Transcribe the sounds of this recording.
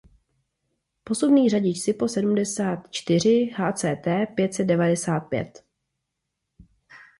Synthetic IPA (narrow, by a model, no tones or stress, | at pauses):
po̞subniːraɟɪt͡ʃsɪpo̞sɛdumdɛsaːt̪t͡ʃt̪ɪr̝ɪhaːt͡sɛːt̪ɛːpjɛt̪sɛd̪̚dɛvadɛsaːt̪̚pjɛ̰t̪